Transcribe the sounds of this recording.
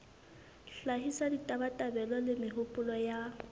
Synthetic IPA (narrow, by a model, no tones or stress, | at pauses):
ɬaɦisaditʼabatʼabɛlɔlɪmɪɦʊpʼʊlɔja